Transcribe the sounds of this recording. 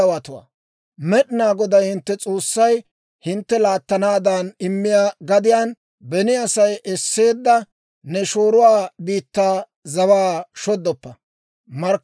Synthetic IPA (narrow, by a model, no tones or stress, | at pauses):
ɐwat̪ʊwa̰ː | mɛɗɪnaːɡɔd̪ɐjhɪnt̪ːɛt͡sʼo̞ːsːɐj | hɪnt̪ːɛlaːt̪ːɐnaːd̪anɪmːɪjaːɡɐd̪ɪjaːn | bɛnɪɐsɐjʔɛsːe̞ːd̪ːɐ | nɛʃoːɾʊwaːbiːt̪ːaː | zɐwaːʃɔd̪ːɔpːɐ | mɐɾ